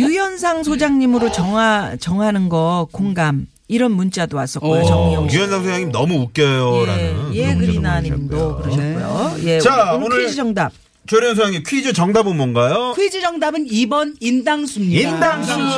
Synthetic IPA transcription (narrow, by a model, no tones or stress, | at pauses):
jujʌns̬ʰaŋs̬ʰod͡ʑaŋɲimɯɾot͡ɕʌŋat͡ɕʌŋanɯnɡʌkoŋɡam | iɾʌnmunt͡ɕ͈adoas͈ʌtk͈ojot͡ɕʌŋɲʌjujʌnsʰaŋsʰod͡ʑaŋɲimnʌmuuk͈jʌjoɾa̰nɯnjekɯɾinaɲimdokɯɾʌɕʰiojoje̞t͡ɕaonid͡ʑid͡ʑʌŋdap̚ | t͡ɕoɾjʌns̬ʰoaŋimkʰɥid͡ʑot͡ɕʌŋdabɯnmwʌnɡajokʰuid͡ʑid͡ʑʌŋdabɯnibʌnindaŋsʰumɲiindaŋʰ